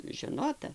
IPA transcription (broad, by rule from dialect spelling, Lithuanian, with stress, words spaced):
ʒʲɛˈnoːtɐ